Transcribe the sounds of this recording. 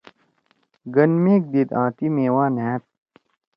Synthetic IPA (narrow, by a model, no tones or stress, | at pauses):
ɡɐnmeːk̚d̪id̪ãːt̪imeːwaːnɦẽt̪̚